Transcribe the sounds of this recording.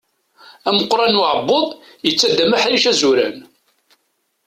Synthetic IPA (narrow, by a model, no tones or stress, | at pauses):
æməqːɾˤɑnʕəbːoðˤ | jət͡sːæd̪ːæmæħɾiʃæzuɾæ̰n